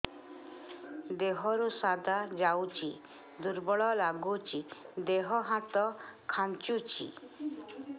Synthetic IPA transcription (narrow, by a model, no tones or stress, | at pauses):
d̪eɦɔɾusad̪ʱad͡ʒawt͡ʃʰi | d̪uɾbɔɭɔlaɡut͡ʃid̪eɦɔɦãt̪ɔkʰant͡ʃut͡ʃʰḭ